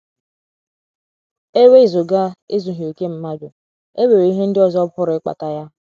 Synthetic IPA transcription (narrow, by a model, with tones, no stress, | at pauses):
e˦we˦˨zo˨ɡa˦e˦zu˨ɦi˨o˨ke˦m̩˦ma˦dʊ˨ | e˦we˨ɾe˨˦i˦ɦe˦n̩˦dɪ˦ɔ˦zɔ˦pʊ˦ɾɪ˨˦ɪ˦k͡pa̰˨ta˨ja˦